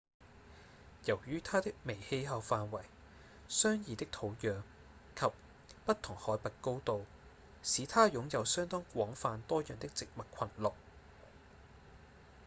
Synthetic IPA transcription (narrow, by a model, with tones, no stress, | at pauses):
jɐ˨˩wjyː˥t̪ʰaː˥t̪ɪ˥k̚me˨˩jhe˧jɦɐ˨˧wfaː˨nwɐ˨˩j | sœː˥ŋjiː˨˧t̪ɪ˥k̚t̪ʰo˨˧wjœː˨ŋ | kʰɐ˨p̚ː | ɐ˥t̚t̪ʰʊ˨˩ŋhɔː˨˥jpɐ˨t̚ko˥wt̪o˨˧w | siː˨˧t̪ʰaː˥jʊ˨˥ŋjɐ˨˧wsœː˥ŋt̪ɔː˥ŋkʷɔː˨˥ŋfaː˧nt̪ɔː˥jœː˨ŋt̪ɪ˥k̚t͡sɪ˨k̚mɐ˨t̚kʷʰɐ˨˩nlʊ˨k̚